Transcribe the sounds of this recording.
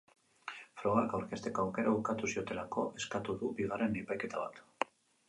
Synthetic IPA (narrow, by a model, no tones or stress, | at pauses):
fɾo̞ɣakawɾke̞st̪e̞koawke̞ɾaβukat̪usio̞t̪e̞lako̞ʔe̞skat̪uðubiɣ̞are̞nipajke̞t̪aβ̞a̰t̪